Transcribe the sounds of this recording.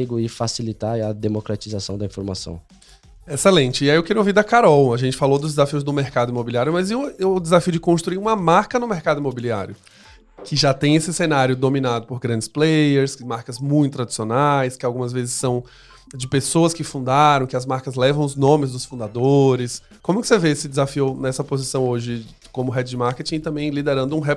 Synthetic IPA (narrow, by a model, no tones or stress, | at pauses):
eɡʊɪfasilit̪aɾɛɐd̪emokɾat͡ʃizasɐ̃w̃d̪ɐĩfoɾma̰sɐ̰̃w̃ | eselẽt͡ʃɪiaiewkeɾioviɾd̪ɐkaɾɔwɐʒẽnt͡ʃɪfalod̪ʊzd͡ʒ̪ɪzafiʊzd̪ʊmeɾkad̪ʊimobiliaɾjʊmɐziʊd̪ɪzafiʊd͡ʒɪkõst̪ɾuiɾũmɐmaɾkɐnʊmeɾkad̪ʊimobilia̰ɾjʊ | kʰɪʒat̪ẽj̃esɪsenaɾjʊd̪omĩnad̪ʊpoɾɡɾɐ̃nd͡ʒɪsplejeɾskɪmaɾkɐzmũj̃t̪ʊt̪ɾad͡ʒi̥sionajskɪawɡũmɐzvezɪsːɐ̃w̃ | d͡ʒɪpesoɐskɪfũd̪aɾɐ̃w̃kɪɐzmaɾkɐzlɛvɐ̃w̃ʊznõmɪzd̪ʊsfũd̪ad̪oɾɪs | kõmʊkɪ̥seveesɪd͡ʒɪzafiʊnɛsɐpozisɐ̃w̃oʒɪ | kõmʊɦɛd͡ʒɪd͡ʒɪmaɾket͡ʃĩɪt̪ɐ̃mbẽj̃lid̪eɾɐ̃nd̪ʊũɦɛ